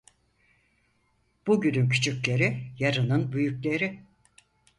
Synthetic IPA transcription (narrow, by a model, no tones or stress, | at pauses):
b̥uɟynymcʰy̥t͡ʃʰyclʲe̞ɾijaɾɯnɯnbyjyclʲe̞ɾi